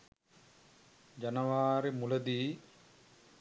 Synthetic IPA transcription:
d͡ʒɐnɐʋaːɾimulɐd̪iː

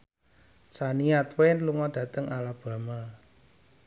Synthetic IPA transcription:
t͡ʃaniat̪wɛnluŋɔd̥ä̤t̪əŋalab̥ä̤ma

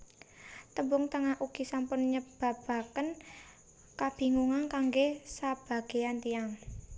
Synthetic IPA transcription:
t̪əmbʊŋt̪əŋahʔuɡ̥isampʊnɲəb̥a̤b̥a̤kən | kab̥i̤ŋuŋankaŋɡesab̥a̤ɡ̥e̤ant̪iaŋ

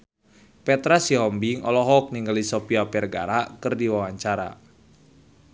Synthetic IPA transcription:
pɛt̪ɾasiɦɔmbiŋɔlɔɦɔk̚niŋɡalisɔpiapɛrɡa̰ɾakɨrdiwawaɲt͡ʃaɾa̰

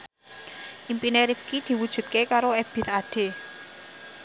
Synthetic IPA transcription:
ʔimpineɾifkid̪̥i̤wud̥ʒ̥ṳt̪̚kekaɾoɛb̥ɪ̤t̪aɖ̥e̤

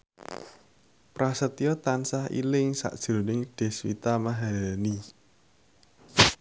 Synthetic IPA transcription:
pɾasət̪ijɔt̪ansahḭlɪŋsa̰ʔd̥ʒ̥ɾo̤nɪŋɖ̥e̤swḭt̪amaɦalani

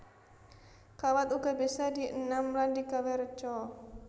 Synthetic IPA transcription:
kawat̪uɡabesadiʔənamɾandikawɛɾt͡ʃɔ

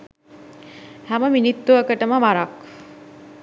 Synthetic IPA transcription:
hæməminit̪ːuəkəʈəməʋaɾak

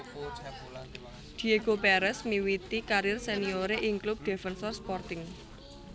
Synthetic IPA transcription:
d̪̥i̤eɡ̥opɛɾɛsmiwit̪ikaɾɪrsenioɾeʔiŋklup̚d̪̥e̤fɛnsɔrspɔrt̪ɪŋ

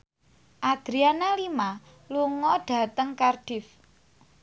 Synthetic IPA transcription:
ʔad̪̥ɾianalima | luŋɔɖ̥a̤t̪əŋkarɖ̥ɪf

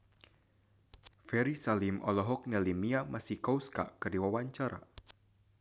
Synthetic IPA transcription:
fɛɾisalimʔɔlɔɦɔk̚nɛlimiamasihkauska̰kɨrdiwawaɲt͡ʃaɾa̰

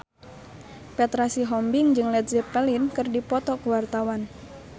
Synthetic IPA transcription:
pɛt̪ɾasiɦɔmbiŋd͡ʒɨŋlɛt̪̚zipɛlinkɨrdipɔt̪ɔkəwart̪awan

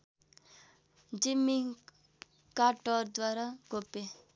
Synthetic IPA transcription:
d͡ʒɪmːi | kaʈɔːɾd̪waːɾaɡope

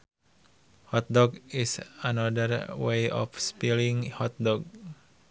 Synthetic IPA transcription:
hɔt̪̚dɔɡisanadərwejɔ̰fspiliŋhɔt̪̚dɔɡ̚

